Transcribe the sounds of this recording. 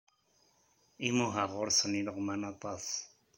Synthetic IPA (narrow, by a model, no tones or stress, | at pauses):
imoɦaʁoɾsaniɾoqmanapas